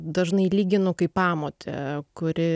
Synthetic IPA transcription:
d̪ɐʒnɐɪlʲiːɡʲɪnʊkɐɪppɑːmoːt̪ʲʰɛ̰kʊɾʲɪ

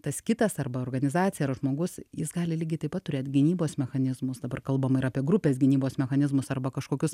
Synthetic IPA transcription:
t̪ɐskʲɪt̪ɐsɐrbɐoːrɡɐnʲɪzɑːt̪t͡sʲsʲɪjɛɐɾʒmoːɡʊsjɪsɡɑːlʲɪlʲiːɡʲɛɪt̪ɐɪpɐt̪̚tʊɾʲeːt̪ɡʲɪnʲiːboːsmʲɛxɐnʲɪzmʊsd̪ɐbɐrkɐlˠbɐmɪɾɑːpʲiɛɡɾʊpʲeːsɡʲɪnʲiːboːsmʲɛxɐnʲɪzmʊsɐrbɐkɐʃkoːkʲʊs

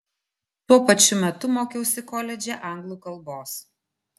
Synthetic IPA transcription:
t̪uɔpɐt͡ʃʲʊmʲɛt̪ʊmoːkʲɛʊsʲɪkɔlʲɛd͡ʒʲɛʔɐŋɡlˠuːkɐlˠboːs

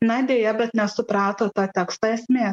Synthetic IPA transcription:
nɐd̪ʲeːjɛbʲɛt̪nʲɛsʊpɾɑːt̪oːt̪ɑːt̪ʲæːkst̪ɑɛsʲmʲeː

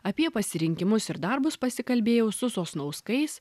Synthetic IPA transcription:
ɐpʲiɛpɐsʲɪɾʲɪŋʲkʲɪmʊsɪɾd̪ɐɾbʊspɐsʲɪkɐlʲbʲeːjɛʊsʊsoːsnɔʊskɐɪs

